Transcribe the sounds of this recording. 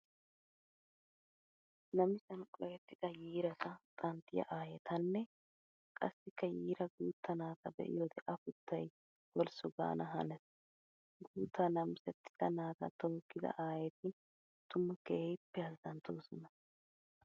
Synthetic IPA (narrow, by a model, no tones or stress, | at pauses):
nɐmɪsɐnkʼɔjɛt̪ːɪd̪ɐjiːɾɐt̪ɐt̪ʼɐnt̪ːɪjɐ̰ʔaːjɛt̪ʰɐnːɛ | kʼɐ̰sːɪkːɐjiːɾɐɡuːt̪ːɐnaːt̪ɐbɛ̰ʔɪ̰joːd̪ɛʔɐfʊt̪ʰːɐj | wɔlsʊɡa̰ːnɐɦɐnɛs | ɡuːt̪ʰːɐnɐmsɛt̪ːɪ̥z̥ɐnaːt̪ɐ̰t̪oːkːɪzɐ̰ʔaːjɛt̪ɪ | t̪ʊmːɐkepːɛɐzd̪ɐnt̪oːsɔnɐ